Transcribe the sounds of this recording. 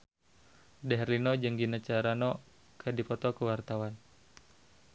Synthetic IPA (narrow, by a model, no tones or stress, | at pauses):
dɛɦɛrlinɔd͡ʒəŋɡinat͡ʃaɾanɔ | kʰədipɔt̪ɔkəwart̪awan